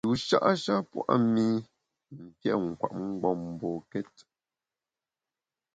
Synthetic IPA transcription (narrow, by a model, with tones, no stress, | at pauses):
tu˨ʃa̰˦ʔʃa˦pwa˦ʔa˦mi˦ | ŋ̩˨kjɛ˦˨ŋ̩˨kwa̰˨ʔŋ̩˦ɡ͡bɔ˦˨m˨bɔ˨kɛ˦t